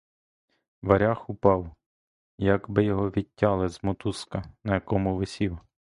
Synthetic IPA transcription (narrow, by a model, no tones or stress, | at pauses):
ʋɐɾʲaxʊpɑw | jɐɡbɪjɔɦɔʋʲitʲːɑlˠɪzmɔt̪uskɐnɐjɐkɔmʊʋɪsʲiw